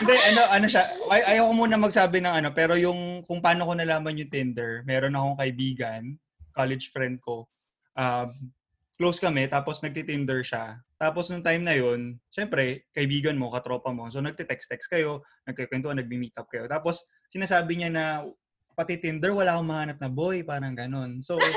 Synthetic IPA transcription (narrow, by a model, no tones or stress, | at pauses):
hɪnd̪ɛʔɐno̞ʔɐnoʃaɐjʔɐjɐwkomuːnɐmɐɡsaːbɪnɐŋɐno̞pɛːɾo̞jʊŋkʊŋpaːnokonɐlaːmɐnjʊŋt̪ɪnd̪ɛɹmɛːɾo̞nɐko̞ŋkɐʔɪbiːɡɐn | kalɪd͡ʒfɹɛnd̪̚ko̞ | ʔa | klowskɐmɛt̪aːposnɐɡ̚t̪it̪ɪnd̪ɛɹʃat̪aːposnʊŋt̪ajmnɐjo̞nʃɛmpɾɛkɐʔɪbiːɡɐnmo̞kɐt̪ɾo̞ːpɐmo̞sonɐɡ̚t̪ɛt̪ɛkst̪ɛkskɐjo̞ | nɐɡ̚kɐkwɛnt̪oʔɐnɐɡ̚mimiːt̪ɐp̚kɐjo̞t̪aːpo̞s | sɪnaːsaːbɪɲanɐ | pɐt̪it̪ɪnd̪ɛɹwɐlaːkoŋmɐhaːnɐp̚nɐbojpaːɾɐŋɡɐno̞nso̞